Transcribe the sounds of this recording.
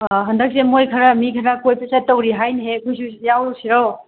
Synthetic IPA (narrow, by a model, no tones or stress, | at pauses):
ɦɐndɐk̚semojkʰɐɾamikʰɐɾakojpɐsatɐwɾiɦajnɦekʰujs̬usjawsiɾow